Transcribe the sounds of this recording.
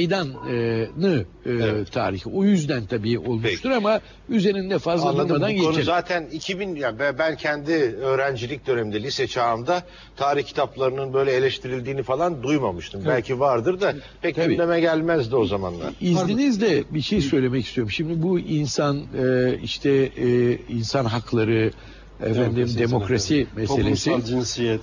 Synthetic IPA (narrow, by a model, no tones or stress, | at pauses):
ejd̪anɯːɯ | ɯt̪ʰaːɾiçiojyzd̪ænt̪ʰabiːo̞lˠmʃʰuɾama | yze̞ɾind̪ɛfazlˠnlˠamad̪anɟenɛzaːt̪ʰænicʰibinjabbæncʰɛnd̪iøːɾænd͡ʒilʲic̚d̪ønemind̪ɛlʲisɛt͡ʃʰaːmd̪a | t̪ʰaːɾiçcʰi̥t̪ʰaplˠaɾɯnɯnbø̞jlʲɛelʲɛʃt̪ʰiɾilʲd̪iːnifalˠand̪ujmamɯʃt̪ʰɯmbɛlʲcʰivaɾd̪ɯɾd̪a | pʰɛc̪̚ʰɟabilʲemɛɟælʲmæzd̪io̞zama̰nlˠa̰ɾizlʲinizd̪ɛbiʃe̞jisø̞jlʲe̞mɛcist̪ʰyjoɾumʃimd̪ibuinsanɯiʃt̪ʰɛ | insanɦaklˠaɾɯ | ḛfænd̪imd̪e̞mo̞kɾasimese̞lʲḛsisi